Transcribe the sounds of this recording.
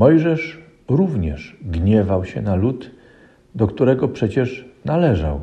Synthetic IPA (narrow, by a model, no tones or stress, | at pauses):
mɔjʐɛʂ | ɾuvɲɛ̰ʂɡɲɛvawɕɛ̰nalut̪ | d̪ɔkt̪uɾɛɡɔpʂɛt͡ɕɛʂnalɛʐa̰w